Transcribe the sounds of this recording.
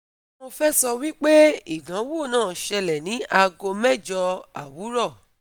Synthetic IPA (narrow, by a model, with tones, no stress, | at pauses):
mo˧fɛ˦sɔ˧wi˦k͡pe˦i˦˨nã˨˦wo˦˨nãː˦˨ʃɛ˧lɛ˨nĩ˨˦ʔa˧ɡo˧mɛ˦˨d͡ʒɔ˧a̰˨wu˨˦ɾɔ˦˨